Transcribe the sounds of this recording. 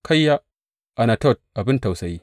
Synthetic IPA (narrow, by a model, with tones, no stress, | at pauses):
kʰa˦jːa˦ | ʔa˨na˨tɔ˦˨t̚ʔa˨bɪ˦nta˨wsɐ˨ji˦